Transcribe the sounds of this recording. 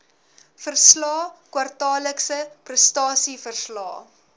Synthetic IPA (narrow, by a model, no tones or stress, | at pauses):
fərslɑːkwɐrtɑːləksəprəstɑːsifərslɑ̰ː